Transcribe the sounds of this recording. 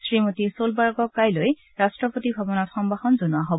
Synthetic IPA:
sɹimotisolbaɹɡɔkːajloj | ɹastɹɔpotibʱabɔnɔtxɔmbaxɔnzonʊaɦobɔ

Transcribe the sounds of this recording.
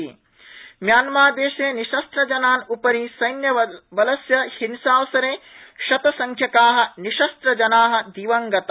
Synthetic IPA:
i | mjaːnmaːd̪eːʃeːniʃɐst̪ɾɐd͡ʒɐnaːnupɐɾisɐjnjɐʋɐlɐsjɐhinsaːʋsɐɾeːʃɐt̪ɐsɐŋkʰjɐkaːɦɐ̆niʃɐst̪ɾɐd͡ʒɐnaːɦɐ̆d̪iːʋɐŋɡɐt̪

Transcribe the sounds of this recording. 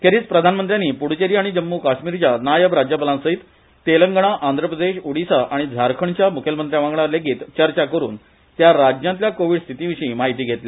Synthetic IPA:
kʰeɾiːt͡spɾəd̪ʱanmənt̪ɾjaniːpuɽt͡ɕeɾiaɽ̃id͡ʑəmːukaɕmiːɾt͡ɕjanajəʋɾad͡ʑjəpəlãnsəɦit̪ː | eləŋɡɳ̃aʔand̪ʱɾəpɾəd̪eɕuɽisaʔaɽ̃id͡zʱaɾkʰəɳt͡ɕjamukʰjəlmənt̪ɾjaʋãŋɡɭaleɡiːt̪t͡ɕəɾt͡ɕakəɾṵːn | t̪jaɾad͡ʑnãnt̪ljakoʋiːɽst̪ʰit̪ĩʋiɕĩːmaɦit̪iːɡʱet̪le

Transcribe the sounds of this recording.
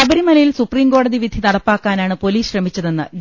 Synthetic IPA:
ɐbɐɾimɐlɐjilsupriːmko̞ːɽɐðiʋid̪ʱinɐɽɐpːaːkːaːnaːɳɨpo̞liːsɕrɐmit͡ɕːɐðe̞nːɨɡ

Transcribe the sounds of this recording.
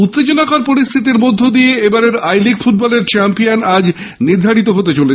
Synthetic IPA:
ut̪ːed͡ʑonakaɾpoɾist̪ʰit̪̬iɾmod̪ʱːod̪ijeebaɾeɾajlikfuʈ̚bɔleɾt͡ɕɛmpijanad͡ʑ | niɾd̪ʱaɽit̪̬oɦot̪et͡ɕole

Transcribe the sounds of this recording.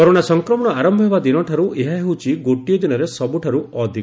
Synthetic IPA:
ɔɾoɽ̃asɔŋkɾɔmɔɽ̃ɔaɾɔmbʱɔɦebad̪inɔʈʰaɾuʔeɦaɦewt͡ʃʰiɡoʈijɔd̪inɔɾesɔbuʈʰaɾuʔɔd̪ʱi

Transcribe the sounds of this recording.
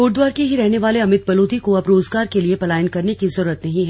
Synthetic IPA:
oːʈ̚d̪waːɾkeɦiɾɛɦneʋaːleɐmɪt̪̚bɐloːd̪ikoɐpɾoːzɡaːɾkeliepɐlaːjənkɐɾnekizɐɾuːɾət̪nɐɦĩɦɛː

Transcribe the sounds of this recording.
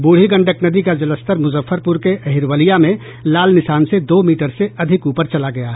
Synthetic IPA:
buːɽ̤iɡə̃ɳɖəknɐd̪ikad͡ʒɐləst̪əɾmʊzəfːəɾpʊɾkeʔɐɦɪɾwəlijamẽ | laːlnɪʃaːnsed̪oːmiːʈəɾseɐd̪ʱɪkuːpəɾt͡ʃɐlaɡɐja

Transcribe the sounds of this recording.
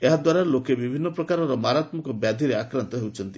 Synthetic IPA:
eɦad̪waɾalokebibʱinːɔpɾɔkaɾɔɾɔmaɾat̪mɔkɔbjad̪ʱiɾeakɾant̪ɔɦewt͡ʃʰɔnt̪i

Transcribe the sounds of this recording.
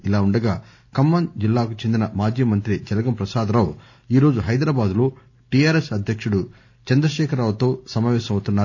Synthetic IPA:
ilaːuɳɖɐɡaː | kɐmːɐnd͡ʒilːaːkut͡ʃe̞nd̪inɐmaːd͡ʒiːmɐnt̪ɾid͡ʒɐlɐɡɐmpɾɐsaːd̪ɐɾaːw | iːɾoːd͡ʒuɦɐjd̪ɾaːbaːd̪lo̞ː | ʈijaːɾesɐd̪ʱjɐkʂuɽu | t͡ʃɐnd̪ɾɐʃɛːkʰɐɾaːʋɐt̪o̞ːsɐmaːʋɛːʃɐmɐwut̪unːaː

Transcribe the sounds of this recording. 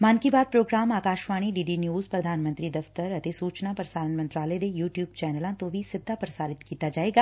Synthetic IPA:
maːnkibaːd̪̚pɾoːɡɾaːmaːkaːʃʋaːɽ̃iɖiːɖinjuːzpɾɐd̪ʱaːnmɐ̃nt̪ɾid̪ɐft̪əɾɐt̪esuːt͡ʃnapɾɐsaːɾənmɐ̃nt̪ɾaːled̪ejuːʈjuːb̚t͡ʃɛːnəlãt̪obʱisɪd̪ʱːapɾɐsaːɾɪt̪kiːt̪ad͡ʒaːeːɡaː

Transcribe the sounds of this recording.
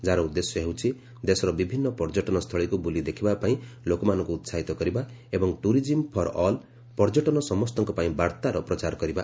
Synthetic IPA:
d͡ʒaɾɔud̪ːesjɔɦewt͡ʃʰi | d̪esɔɾɔbibʱinːɔpɔɾd͡ʒɔʈɔnɔst̪ʰɔɭikubulid̪ekʰibapaĩlokɔmanɔŋkuːt̪saɦit̪ɔkɔɾiba | ebɔŋʈuɾid͡ʒimpʰɔɾɔl | pɔɾd͡ʒɔʈɔnɔsɔmɔst̪ɔŋkɔpaĩbaɾt̪aɾɔpɾɔt͡ʃaɾɔkɔɾiba

